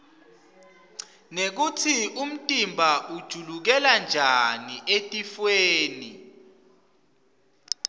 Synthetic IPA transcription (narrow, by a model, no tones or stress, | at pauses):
nek̬utʰium̩tʼimbʱaʔud̥ʒ̥ʱuluk̬ɛland͡ʒʱaniʔetʼifweːni